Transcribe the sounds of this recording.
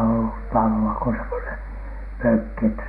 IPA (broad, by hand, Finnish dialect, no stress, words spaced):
olːut tɑloɑ ko semːonen møkːi etːæ